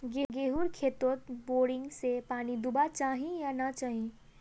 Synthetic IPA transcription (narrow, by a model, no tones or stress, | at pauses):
ɡeɡeːɦuɾkʰeːt̪ot̪̚boːɖɪ̃ŋɡsepaːnid̪ʊbat͡ʃaːɦĩjanat͡ʃaːɦĩ